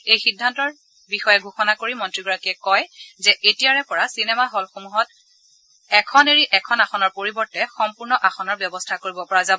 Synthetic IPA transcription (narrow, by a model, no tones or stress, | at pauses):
ejxidʱːantɔɹ | bixɔjɛɡʱuxɔnakoɹimɔntɹiɡɔɹakiɛkɔjzɛʔetijaɹɛpɔɹasinɛmaɦolxomuɦɔt̚ | ɛkʰɔneɹiʔɛkʰɔnaxɔnɔɹpoɹibɔɹtɛxɔmpuɹnɔʔaxɔnɔɹbjɔbɔstʰakoɹibɔpɔɹazabɔ